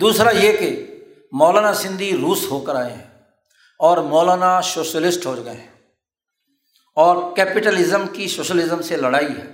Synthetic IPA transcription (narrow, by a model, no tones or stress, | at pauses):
d̪uːsɾajeke | mɔːlaːnasɪ̃nd̪ʱiɾuːsɦoːkəɾaːeɦɛ̃ː | ɔːɾmɔːlaːnasoːʃəlɪsʈɦoːd͡ʒɡəḛɦ | ɔːɾkɛːpɪʈəlɪzəmkisoːʃəlɪzəmseləɽaːiɦɛ̰ː